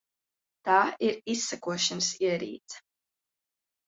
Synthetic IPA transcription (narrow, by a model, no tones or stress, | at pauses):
t̪aːiɾisːakuɔʃansiɛɾḭːt̪s